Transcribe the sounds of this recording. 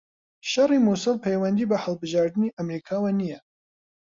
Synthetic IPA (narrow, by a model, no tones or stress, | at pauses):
ʃɐrimusɨlpʰejwɐnd̪iːbɐhɐlˠbɨʒɑːɾd̪ɨniʔɐmɾikʰaːwanijɛ